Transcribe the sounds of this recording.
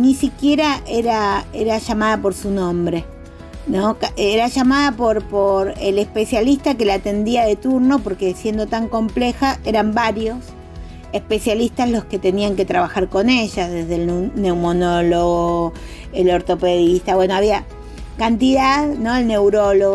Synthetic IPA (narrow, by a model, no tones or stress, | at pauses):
nisikje̞ɾaʔeɾaeɾaʒamaðapo̞ɾsunõ̞mbɾe̞ | no̞keɾaʒamaðapo̞ɾpo̞ɾele̞spe̞sjalist̪ake̞lat̪e̞nd̪iaðe̞t̪uɾno̞po̞ɾkesje̞nd̪o̞t̪aŋko̞mple̞xae̞ɾambaɾjo̞s | e̞spe̞sjalist̪azlo̞ske̞t̪e̞niaŋke̞t̪ɾaβaxaɾko̞ne̞ʒaðe̞zðelne̞wmonoloɣo | elo̞ɾt̪o̞pe̞ðist̪aβwe̞no̞aβia | kant̪iðaðno̞elne̞wɾo̞loɣ